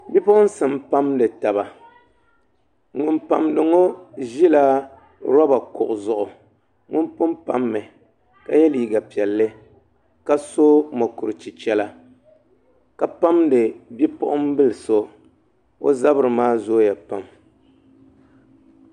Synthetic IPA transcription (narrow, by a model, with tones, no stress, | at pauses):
bi˦pʊ˦ʔʊ˦n̩˦sɨ˨mpa˦mdɨ˨ta˨ba˨ | ŋʊ˨npa̰˨mdɨ˨ŋo˦ʒi˦la˦ | ɾɔ˦ba˨kʊ̰˨ʔʊ˨zʊ˨ʔʊ˨ | ŋʊ˦npʊ˦mpa̰˦mːɛ˨ | ka˦jɛ˦liː˨ɡa˨pi˨ɛ˨lːɨ˦ | ka˦so˦mo˨kʊ˨ɾɨ˨t͡ʃi˨t͡ʃɛ˦la˦ | ka˨pa˦mdɨ˨bi˦pʊ˦ʔʊ˦m˦bɨ˦lɨ˨so˦ | o̰˦za˦bɨ˦ɾɨ˨maː˦zoː˦ja˨pa˦m